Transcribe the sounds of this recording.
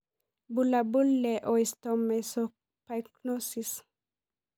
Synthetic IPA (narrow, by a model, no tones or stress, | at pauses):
bulabulːɛʔɔist̪ɔmɛsɔ | pajknosis